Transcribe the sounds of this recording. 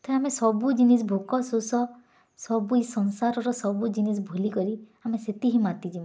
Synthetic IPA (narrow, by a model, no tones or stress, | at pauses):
t̪ɔamesɔbud͡ʒinisbʱokɔsusɔ | sɔbuisɔnsaɾɔɾɔsɔbud͡ʒinisbʱulikɔɾi | ameset̪iɦimat̪id͡ʒima